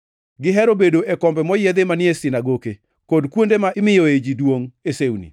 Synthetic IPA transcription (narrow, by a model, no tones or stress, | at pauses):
ɡɪɦɛɾobedoʔekɔmbɛmɔjed̪emanɪesɪnaɡoke | kodkwondemaɪmɪjoed͡ʒidwoŋesewnḭ